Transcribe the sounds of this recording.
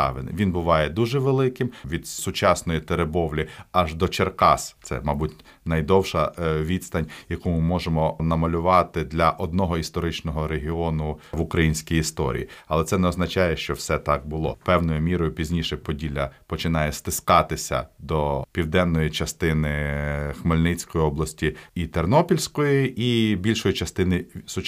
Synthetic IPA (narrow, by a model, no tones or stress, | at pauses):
ɑ̰ʋɪ̰nʋʲinbʊʋɑjɛd̪uʒɛʋelˠɪkɪmʋʲid̪sʊt͡ʃɑsnɔjit̪eɾebɔʋlʲiɐʒd̪ɔt͡ʃerkɑst̪sɛ̰mɑbutʲ | nɐjd̪ɔwʃɐʋʲid̪st̪ɐnʲjɐkumɪmɔʒemɔnɐmɐlʲʊʋɑt̪ɪd̪lʲɐʔɔd̪̚nɔɦɔist̪ɔɾɪt͡ʃnɔɦɔɾeɦiɔnʊʋʊkɾɐjinʲsʲkʲijist̪ɔ̰ɾʲḭiɐlˠɛt̪sɛnɛɔznɐt͡ʃɑjɛʃt͡ʃɔwsɛt̪ɑk̚bʊlˠɔ̰pɛwnɔjʊmʲiɾɔjʊpʲizʲnʲiʃɛpɔdʲilʲɐpɔt͡ʃɪn̪ɑjɛst̪ɪskɑt̪ɪsʲɐ̰d̪ɔpʲiwd̪ɛnːɔjit͡ʃɐst̪ɪnɪxmelʲnɪt͡sʲkɔjiɔblˠɐsʲtʲiit̪ernɔpʲilʲsʲkɔjiibʲilʲʃɔjʊt͡ʃɐst̪ɪnɪsʊt͡ʃ